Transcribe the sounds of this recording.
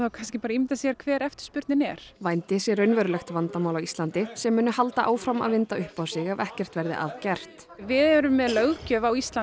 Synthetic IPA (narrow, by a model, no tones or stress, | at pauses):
θawkʰanskɪpaːɾaimɪt̪asijːɣaɾ̥kʰvɛːɾɛft̪ʏ̥spʏɾt̪nɪnɛɾ̥vajnt̪ɪsjɛɾœɥnvɛɾʏlɛxt̪vant̪amawlawist̪lant̪ɪsɛmːʏːnʏhalt̪aʔaːwfɾama̰ðvɪnt̪aʏhpaːwsɪɣavɛhcɛr̥t̪vɛɾðɪ̰ʔa̰ːðcɛr̥t̪ | vɪðɛɾʏmːɛðlœːɣcœːvawist̪la